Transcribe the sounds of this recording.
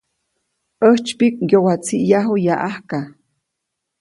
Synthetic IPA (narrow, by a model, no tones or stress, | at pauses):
ʔəht͡ʃpik̚ɡjowat͡siʔjaɦujaʔahka